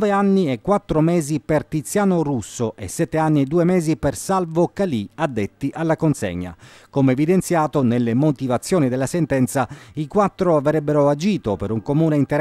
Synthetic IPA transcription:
veanːiɛkːwat̪ːɾomɛːzipert̪it̪sːjaːnorusːoʔḛsːɛt̪ːeanːied̪uːemɛːzipersalvokaliad̪ːet̪ːiʔalːakonsḛɲːa̰komeːvid̪ent̪sjaːt̪onelːemot̪ivat̪sːjoːnid̪elːasent̪ɛnt̪saikwat̪ːɾoavɾɛbːeɾoad͡ʒiːt̪opeɾuŋkomuːneint̪eɾ

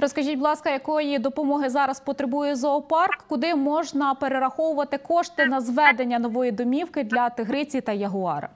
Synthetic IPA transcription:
ɾɔskɐʒʲitʲblˠɑskɐjɐkɔjid̪ɔpɔmɔɦɪzɑɾɐspɔt̪ɾebujɛzɔːpɑrkːʊd̪ɪmɔʒnɐpeɾeɾɐxɔwʊʋɐt̪ɪkɔʃt̪ɪnɐzʋɛd̪e̞nʲːɐnɔʋɔjid̪ɔmʲiwkɪd̪lʲɐt̪ɪɦɾɪt͡sʲit̪ɐjɐɦʊɑɾɐ̰

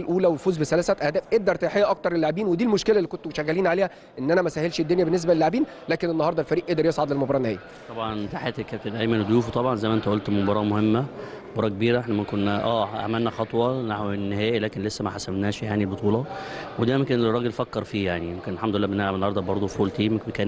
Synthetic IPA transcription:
lʔuːlæwefuːzbesælæːsæt̪ʔæhd̪æːfʔeɡ̚d̪ɑɾˤt̪æjħejːæʔɑk̚t̪ɑɾˤelːoʕbiːnwed̪iːlmoʃkelælːikont̪oʃæɣːæliːnʕaleːhæ | ʔenːʔænæmæsæːhelʃed̪ːonjæbenːes̬bæelːoʕbiːn | læːkenenːɑhɑɾˤd̪ˤɑlfæɾiːʔeʔd̪eɾjesˤʕɑd̪lelmobɑɾˤɑːnːehæːjæ | t̪ˤɑbʕɑnt̪aħet̪ækːæt̪æd̪æjmænd̪juːft̪ˤɑbʕɑnzæjmæʔent̪æʔolt̪mobɑɾˤɑːmohemːæmobɑɾˤɑːkebiːɾæʔeħnæmækonːʔæːʔæ̰mænːæxɑt̪ˤwɑnaħwenːehæːʔilæːkenlesːæmæħasæmnæːʃjaʕnibot̪ˤuːlɑwed̪æːmækæːnerˤːɑːɡelfækːɑɾˤfiːjaʕnijemkenelħamd̪olelːæːbenːæbenːɑhɑɾˤd̪ˤɑbɑɾˤd̪ˤofoːlt̪iːmekbekæːn

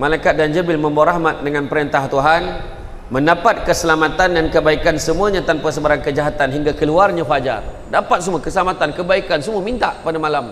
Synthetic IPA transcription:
malajkat̪̚dand͡ʒəbɪlmə̃mbaaɾaɦmat̪̚dəŋãnpəɾənt̪aht̪uɦan | mə̃ndapat̪̚kəsəlamat̪andankəbaikansəmuaɲãt̪anpasəbaɾankəd͡ʒaɦat̪anɦiŋɡakəluarɲãfad͡ʒa̰r | dapat̪̚səmuakəsəlamat̪ankəbaikansəmuəmint̪aʔpadamalam

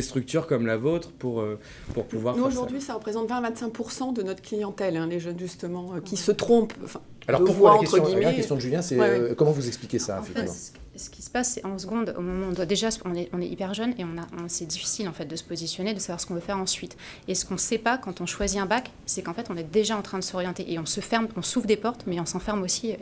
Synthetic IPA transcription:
est̪χyk̚t̪yʁkɔmlavot̪χəpuʁø | puʁpuvwaʁnuoʒuʁd̪ɥisaʁəpχezɑ̃t̪vɛ̃vɛ̃t̪sɛ̃k̚puʁsɑ̃d̪ənɔt̪χəklijɑ̃t̪ɛlɛ̃leʒənʒyst̪əmɑ̃økʲisət̪χɔ̃pɑ̰̃fɛ̃ | alɔʁpuʁvkwaaɑ̃kɛt̪tχəjɔ̃imaɛkɛst̪jɔ̃d̪əʒyljɛ̃sɛøkɔmɑ̃vuzɛksplikʲesaɑ̃fɛkfɛim̰̃k | sə̥kʲisə̥pasːɛɑ̃s̬əɡɔ̃d̪o̰mɔmɑ̃ɔ̃d̪wad̪eʒasɔ̃nɛɔ̃nɛipɛʁʒœneɔ̃naɔ̃sɛd̪ifi̥silɑ̃fɛt̪̚d̪əsə̥pozisjɔned̪əsavwaʁsə̥kɔ̃vøfɛʁɑ̃sɥit̪ | esə̥kɔ̃sɛpakɑ̃t̪ɔ̃ʃwaziɛ̃bak | sɛkɑ̃fɛt̪ɔ̃nɛd̪eʒaɑ̃t̪χɛ̃d̪əsɔʁjɑ̃t̪eʔeɔ̃səfɛʁmɔ̃suvd̪epɔʁt̪mɛɔ̃sɑ̃fɛʁmosi

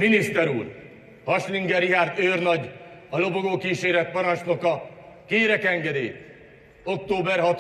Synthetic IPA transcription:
minist̪ɛɾuːr | hɒʃliŋɡɛɾiɦaːrt̪øːrnɒɟɒlo̞boɡoːkiːʃeːɾɛt̪̚pɒɾɒnt͡ʃno̞kɒkeːɾɛkɛŋɡɛd̪ḛːt̪ | o̞k̚t̪oːbɛrɦɒt̪

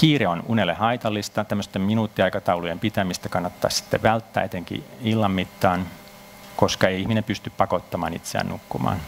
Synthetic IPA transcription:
kiːreonunelːehɑit̪ɑlːist̪ɑt̪æmːøst̪ːemminuːt̪ːiɑjkɑt̪ɑulujempit̪æmist̪ækɑnːɑt̪ːɑ̰ːssi̥t̪ːeʋʋælt̪ːæ̰ːet̪eŋkḭilːɑmːit̪ːɑːn | koskɑeiihminempyst̪yppɑkot̪ːɑmɑ̰ːnḭt̪seæ̰ːnnukːumɑ̰ːn

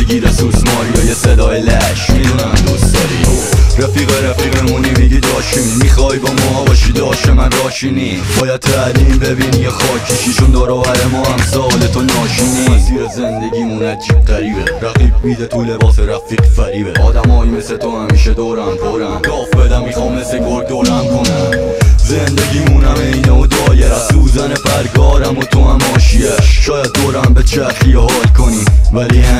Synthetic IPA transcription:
eɡiːd̪æsusmɒːijɒjesed̪ɒːjelæʃmid̪unænd̪usd̪ɒːɾḭɾæfiːɣeɾæfiːɣemunemiɡid̪ɒːʃinmiːxɒːjbɒːmɒːbɒːʃid̪ɒːʃemænd̪ɒːʃini | bɒːjæd̪̚t̪ʰææliːmbe̞biːnjexɒːcʰiʃiʃund̪ɒːɾɒːvæɾemɒːhæmsɒːlet̪ʰonɒːʃiniziːɾezend̪eɟʲiːmunæd͡ʒiːb̚ʁæɾiːbeɾæɣiːbmiːd̪et̪ʰulebɒːseɾæfiːqfæɾiːbeɒːd̪æmɒːjimeset̪ʰohæmiːʃed̪ɒɾæmpʰoɾæɡɒːfbed̪æmmiːxɒːmmːesekʰoɾd̪oːɾæmkʰonæmzend̪eɡiːmunæmeinɛod̪ɒːjeɾæsuːzænefæɾɡɒːɾæmot̪ʰohæmɒːʃijæʃʃɒːjæd̪̚ːoɾæmbet͡ʃʰeæxijhɒːlkʰoniːvæliː

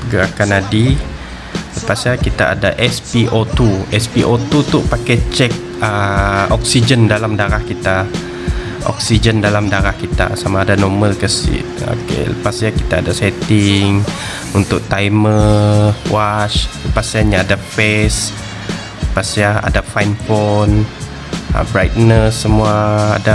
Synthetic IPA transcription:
əɡaakanadi | ləpasjakit̪aːdaʔɛspiʔot̪uɛspiʔot̪ut̪upakajt͡ʃɛk̚ | əɔk̚sid͡ʒəndalamdaɾahkit̪a | ʔɔ̰k̚sid͡ʒəndalamdaɾahkit̪a̰samaːdanɔməlkəsḭ | klə̰pasjaki̥t̪aːdasɛt̪ɪŋ | unt̪ʊk̚t̪aimə | wat͡ʃləpasjaɲaːdafɛs | ləpasjaa̰dafajnfɔn | ə̰bɾajt̪̚nəsːəmua̰ːda

